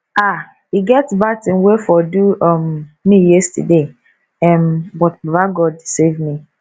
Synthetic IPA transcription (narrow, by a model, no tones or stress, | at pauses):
a | hiɡɛtsbatĩnwefɔduɔmmijɛstə̰de | ɛ̃mbɔtbavaɡɔdsevmi